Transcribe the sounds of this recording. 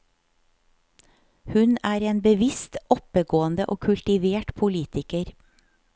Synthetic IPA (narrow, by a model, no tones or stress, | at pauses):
hʉnæːɾeːnbəʋɪst̪ɔpəɡoːənd̪əʔoːkʰʉlt̪ɪʋeːʈpʰʊliːt̪ɪkəɾ